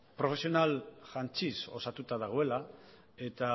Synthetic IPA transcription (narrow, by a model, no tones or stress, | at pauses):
pɾo̞fe̞sio̞nalʝant͡ʃiso̞̰sat̪ut̪að̞aɣ̞o̞e̞la | e̞t̪a